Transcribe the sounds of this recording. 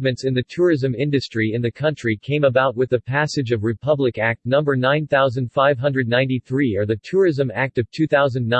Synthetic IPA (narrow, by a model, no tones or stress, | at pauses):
mɨ̃ntsɨ̃nðɨtʰʊɹɪzɨ̃mɪ̃ndɨstɹ̥iɨ̃nðɨkʰʌ̃nt͡ʃɹ̥ikʰẽɪ̃məbaʊt̚wɨðɨpʰæsɨd͡ʒʌvɹɨpʰʌblɨkæk̚tnʌ̃mbə˞nãɪ̃nθaʊzɨ̃nd̥faɪv̥ɦʌ̃ndɹɨdⁿnãɪ̃ntiθɹiə˞ðɨtʰʊɹɪzɨ̃mæk̚tʌv̥tʰʉθaʊzɨ̃n̩n